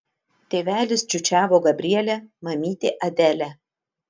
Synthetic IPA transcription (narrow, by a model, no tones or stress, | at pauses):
t̪ʲeːʋʲæːlʲɪsd͡ʒʲʊt͡ʃʲæːʋoːɡɐbʲɾʲiɛlʲæmɐmʲiːt̪ʲeːʔɐd̪ʲæːlʲæ